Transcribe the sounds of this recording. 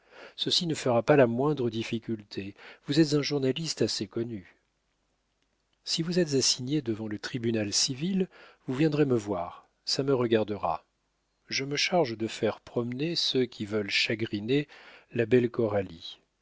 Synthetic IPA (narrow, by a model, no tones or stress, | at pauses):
səsinəfəʁapalamwɛ̃d̪ʁəd̪ifikʲylt̪ʰevuzɛt̪zɛ̃ʒuʁnalist̪asekɔny | sivuzɛt̪zasiɲjed̪əvɑ̃lət̪χibynalsivilvuvjɛ̃d̪ʁeməvwaːʁ | saməʁəɡaʁd̪əʁa̰ | ʒəməʃaʁʒd̪əfɛʁpχɔmnesøkʲivœlʃaɡʁinelabɛlkɔʁali